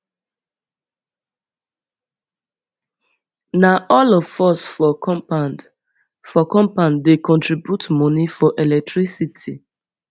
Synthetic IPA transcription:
naʔɔlɔfɔsfɔ | fɔkɔ̃mpãndekɔ̃ntɹibjutmɔ̃nifɔʔelɛk̚tɹisitʰi

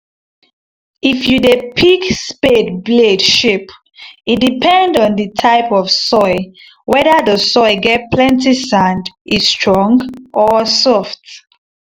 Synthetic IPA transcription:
ifjudepʰikspedbledʃip | it̚dipʰɛ̃ndɔ̃ndətʰaɪpɔvsɔɪ | wɛdəðəsɔɪɡɛt̚pʰlɛ̃ntisãndistʰɹɔ̃ŋɡʔɔsɔft

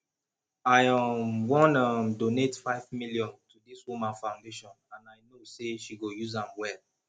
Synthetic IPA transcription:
aɪʌmwɔ̃nʌmdonetfaɪvmilijɔ̃ntʰudiswumãnfãʊ̃ndeʃɔ̃nãnaɪnoseʃiɡojuzãmwɛl

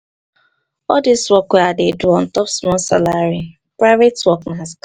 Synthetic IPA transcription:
ɔdiswɔkweadeduɔ̃n̩tɔpsmɔsa̰laɾi | pɾavetwɔknast

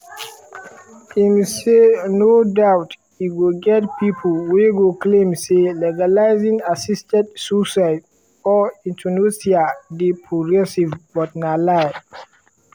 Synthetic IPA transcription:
ʔimesenodawt | iɡuɡɛtpipʰulweɡoklẽmselɛɡalajzĩŋasistɛ̃tsusajd | ɔĩntʰunusiadipʰɔɡɛsivbɔt̚nala

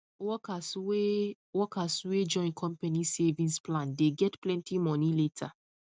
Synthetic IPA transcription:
wɔkaswe | wɔkaswed͡ʒɔ̃ɪ̃nkʰɔ̃mpanisevĩnsplãndeɡɛtplɛ̃ntimɔniletʰa̰

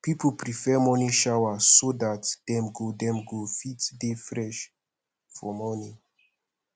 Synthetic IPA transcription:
pipupɾifɛmɔniʃawasod̪at̪d̪̥ɛmɡodɛmɡofit̪d̪efɾɛʃ | fɔmɔni

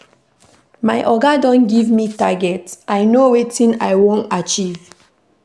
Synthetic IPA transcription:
maɪʔɔɡadɔ̃nɡivmitaɡɛtajnowetĩna̰jwõntat͡ʃiv̥

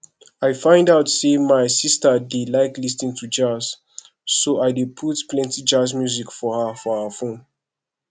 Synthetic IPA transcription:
ajfãɪ̃ndaʊtsemajsistədelaɪklisnĩŋtʰud͡ʒaz̥ː | oajdepʰutplɛ̃ntid͡ʒazmjuzikfɔhəfɔafõn

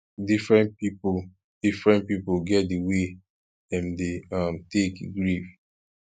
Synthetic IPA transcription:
difɹɛ̃npipu | d̥ifɹɛ̃nt̚pipuɡɛt̚diwe | dɛ̃mdeamtekɡɹif

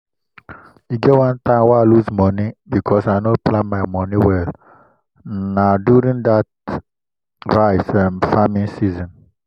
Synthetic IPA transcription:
iɡɛtwãntãɪ̃mwɛaluzmɔnibikʰɔsaɪnoplãnmaɪmɔniwɛl | nadjuɾĩŋdat | ɹaɪsãmfamĩnsizɔ̃n

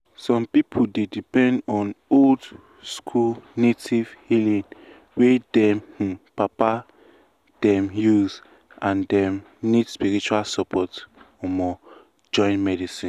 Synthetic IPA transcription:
sɔ̃mpipʰudedipɛ̃ndɔ̃nold | skʰulnetivhilĩn | wedɛ̃m̩papa | d̥ɛ̃mjuz | ãndɛ̃m | nidspiɹit͡ʃualsɔpʰɔt | ɔmɔ | d͡ʒɔ̃ɪ̃nmɛdisĩn

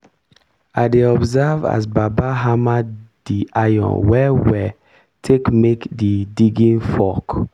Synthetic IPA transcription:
aɪdeɔbzɛva̰sbabaɦamaddiajɔ̰̃nwɛwɛ | tʰekmekdidiɡĩnfɔk

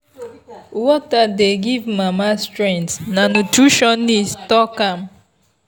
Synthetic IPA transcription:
wɔtadeɡivmamastɾɛ̃ntnanutɹuʃɔnːistɔkam

